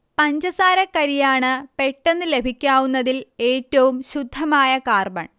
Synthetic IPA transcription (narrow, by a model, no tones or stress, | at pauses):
pɐɲd͡ʑɐsaːɾɐkːɐɾijaːɳɨpe̞ʈːe̞nːɨle̞bʱikʲːaːʋunːɐðile̞ːtːɐʋumɕud̪ʱːɐmaːjɐkaːrbɐ̰ɳ